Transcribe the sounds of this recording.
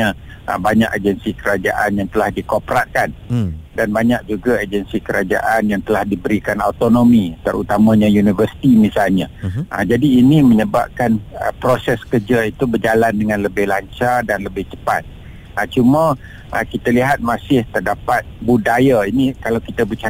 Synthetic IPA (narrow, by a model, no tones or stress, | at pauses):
a | ʔə̰baɲakad͡ʒənsikəɾad͡ʒa̰ʔanjaŋt̪əlahdikopɾat̪̚kandanbaɲak̚d͡ʒuɡaed͡ʒənsikəɾad͡ʒa̰ʔanjaŋt̪əlahdibəɾikanat̪onomit̪əɾut̪amãɲãjunivərsi̥t̪imisalɲaʔə̰d͡ʒadiːniməɲəba̰p̚kanə̰pɾosɛskərd͡ʒait̪ubərd͡ʒalandəŋãnləbɪhlaɲt͡ʃardanləbɪht͡ʃə̥pa̰t̪̚ | ət͡ʃumə̃ | ʔə̰kit̪aliɦat̪̚masɪht̪ərdapat̪̚budajainikalawkit̪abət͡ʃa